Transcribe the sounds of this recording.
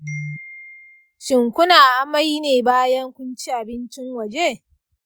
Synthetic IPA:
ʃɪ˨ŋkʷʊ˦naː˨ʔa˦ma˦jneː˨baː˦jɐ˦ŋkʷʊ˦nt͡ʃi˦ʔa˨bɪ˦nt͡ʃɪ˦ŋwɐ˨d͡ʒe˦

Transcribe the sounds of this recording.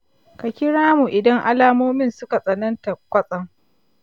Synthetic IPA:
ka˨kʲɪ˦ɽaː˦mu˨ʔɪ˨dɐ˦ŋʔa̰˦laː˦moː˦mɪ˦nsʊ˦ka˨sʼɐ˨nɐ˦nta˨kʷɐ˦sʼɐ˦ŋ

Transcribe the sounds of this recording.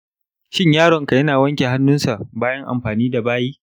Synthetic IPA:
ʃɪ˦ɲjaː˦ɽɔ˨ŋka˨jɐ˦naː˨wɐ˦ŋkʲe˨ɦa˦nːʊ˦nsa˨ʔbaː˦jɐ˦ŋʔa̰˨mɸaː˨niː˦da˨baː˦jiː˦

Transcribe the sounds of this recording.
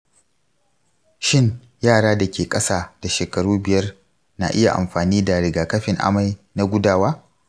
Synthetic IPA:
ʃɪ˦ŋ | jaː˦˨ɽaː˦da˨kʲeː˨kʼɐ˦saː˦d̥a˨ʃeː˨kɐ˨ɽuː˦bɪ˨jɐ˦r | na̰˨ʔɪ˦ja̰˨ʔa̰˨mɸaː˨niː˦da˨ɽɪ˨ɡaː˨kɐ˦ɸɪ˨ŋʔa̰˦ma˨jna˦ɡʷʊ˦daː˦˨waː˦

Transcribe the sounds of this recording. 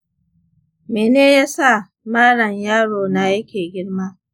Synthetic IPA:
meː˨neː˦jaː˦sa˦˨ | maː˦ɽɐ˨ɲjaː˦ɽoː˨na˦jɐ˦kʲeː˨ɡʲɪ˦ɽmaː˦

